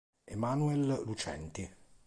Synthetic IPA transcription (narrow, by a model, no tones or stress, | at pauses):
emanuɛllut͡ʃɛ̰nt̪i